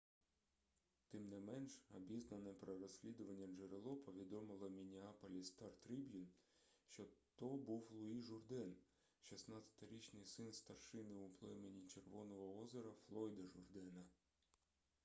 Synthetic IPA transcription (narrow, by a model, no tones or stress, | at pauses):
t̪ɪmnɛmɛnʃɐbʲiznɐnɛpɾɔɾɔsʲlʲid̪ʊʋɐnʲːɐd͡ʒeɾelˠɔpɔʋʲid̪ɔmɪlˠɐmʲinʲiɑpɔlʲist̪ɑrt̪ɾibjun | ʃt͡ʃɔt̪ɔbuwlˠʊiʒʊrd̪ɛn | ʃisnɑt̪ʲsʲɐ̥t̪ɐɾʲit͡ʃnɪjsɪnst̪ɐrʃɪnɪuplˠɛmenʲit͡ʃerʋɔnɔɦɔɔzeɾɐflˠɔjd̪ɐʒʊrd̪ɛnɐ